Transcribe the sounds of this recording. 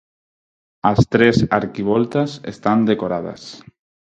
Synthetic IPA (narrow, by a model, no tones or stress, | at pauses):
ast̪ɾesaɾkiβ̞ɔlt̪asḛst̪and̪ekoɾað̞a̰s